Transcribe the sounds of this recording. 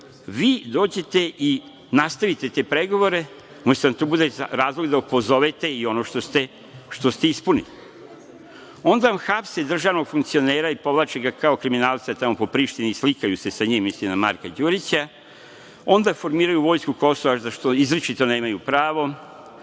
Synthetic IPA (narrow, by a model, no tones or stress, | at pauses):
ʋiːd̪o̞ːd͡ʑe̞t̪e̞ʔi | nast̪aʋit̪e̞t̪e̞pɾe̞ɡo̞ʋo̞ɾe̞ | mosiamt̪obud̪eɾaːzlˠoɡd̪aupo̞zo̞ʋet̪e̞io̞noːʃt̪ost̪e̞ | ʃt̪o̞st̪e̞ispunili | o̞nd̪aʋamxapsed̪r̩ʒaːʋno̞ɡ̥fuŋk̚t̪sio̞neːɾaipo̞ʋlˠat͡ʃeɡakao̞kɾiminaːlˠsiat̪amo̞po̞pɾiːʃt̪inislikajuse̞saɲiːmːislimnama̰ɾkad͡ʑuɾit͡ɕa | o̞nd̪afo̞ɾmiːɾajuʋo̞ːjskuko̞soʋazaʃt̪o̞izɾet͡ʃit̪o̞ne̞ːmajupɾaːʋo̞